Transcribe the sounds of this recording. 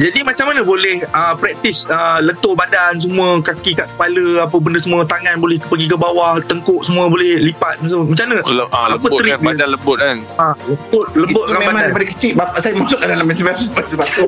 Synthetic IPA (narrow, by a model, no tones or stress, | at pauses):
d͡ʒadimat͡ʃamːanəbolɛhəpɾɛk̚t̪isələnt̪oʔbadans̬əmũəkakikaʔkə̥paləap̬əbəndəsəmũət̪aŋãnbolɛhpəɡik̬əbawaht̪əŋkʊʔsəmũəbolɛhlipat̪̚masəmat͡ʃamnallaəpət̪əɾiadanləbʊt̪̚kan | aləbʊt̪̚ləbʊt̪̚lambamaaɾipadəkət͡ʃiʔ̚bapaʔsajəmasʊʔk̚andalaməsəbap̚səbasəba